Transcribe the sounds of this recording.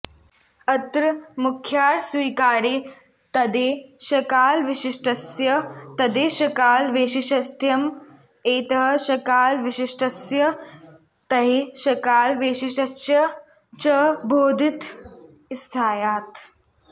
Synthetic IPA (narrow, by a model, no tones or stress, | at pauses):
ɐt̪ɾɐmukʰːjaːɾsʋiːkaːɾiː | t̪ɐd̪eːʃɐkaːlʋiʃiʃʈɐsjɐt̪ɐd̪eːʃɐkaːlʋeːʃiʃɐsʈjɐm | eːt̪ɐɦɐʃɐkaːlʋiʃiʃʈʰɐsjɐ | t̪ɐɦiʃɐkaːlʋeːʃiʃɐsjɐ | t͡ʃɐbʱoːd̪ʱit̪ | ɪst̪ʰaːjaːt̪